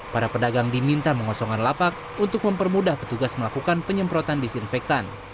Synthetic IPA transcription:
paɾapədaɡaŋdimint̪aməŋɔsɔŋanlapak̚ | unt̪ʊk̚məmpərmudahpə̥t̪uɡasməlakukanpəɲəmpɾot̪andisinfɛk̚t̪an

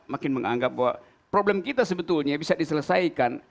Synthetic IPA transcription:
makɪnməŋaŋɡap̚bawa̰ | pɾoblɛmkit̪asəbət̪ulɲabisadisələsajkan

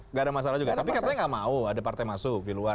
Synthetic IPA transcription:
ŋɡaːdamas̬alahd͡ʒuɡat̪apikaraɲaŋɡaʔmauadapart̪ajmasʊk̚dilua

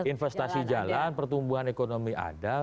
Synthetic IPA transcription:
infɛst̪asid͡ʒalanpərt̪umbuɦanekonomiʔa̰da

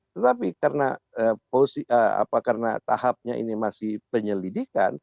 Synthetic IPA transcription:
t̪ət̪apikarnaəposiʔəa̰pakarna̰t̪a̰hap̚ɲaḭnimasɪhpəɲəlidika̰n

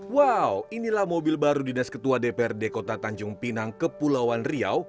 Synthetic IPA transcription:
wawinilahmobilbaɾudinaskət̪uadepeɛrdekot̪at̪aɲd͡ʒʊŋpinaŋkəpulawanria̰w

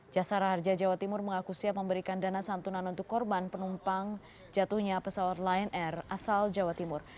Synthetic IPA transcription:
d͡ʒasaɾhard͡ʒad͡ʒawat̪imʊrməŋakusiapəmbəɾikandanasant̪unanunt̪ʊkːɔrbanpənumpaŋ | d͡ʒat̪uhɲapəsawat̪laɛnɛrasald͡ʒawat̪imʊr

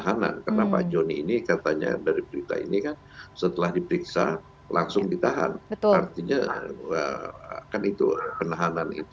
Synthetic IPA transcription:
aɦana̰nkərnapa̰d͡ʒoniːnikat̪aɲa̰daɾibəɾit̪a̰ḭnikan | sət̪əlahdipəɾiksa̰ | laŋsʊŋdit̪aɦa̰nbəart̪iɲaəkanit̪ṵpənaɦananḭt̪u

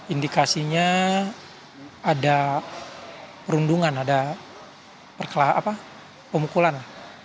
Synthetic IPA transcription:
indikasiɲa | ada | pəɾunduŋanada | pərkəlaa̰pa | pəmukulanlah

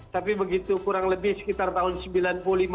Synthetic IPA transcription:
t̪apibəɡit̪ukuɾaŋləbɪhsə̥kit̪art̪aɦʊnsəmbilanpululim

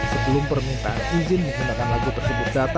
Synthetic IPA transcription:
səbəlʊmpərmint̪anizɪnməŋɦunakanlaɡut̪ərsəbʊt̪̚dat̪a

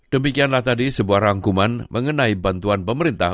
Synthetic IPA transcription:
d̥əmikianlaht̪adisəbuahɾaŋkumanmʔəŋənaibant̪uanpəməɾint̪a̰h

